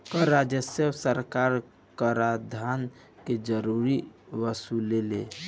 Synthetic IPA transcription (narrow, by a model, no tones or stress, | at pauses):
kəɾad͡ʒəsəsəɾkaɾ | kəɾad̪ʱan | ked͡ʒəɾuɾiʋəsulele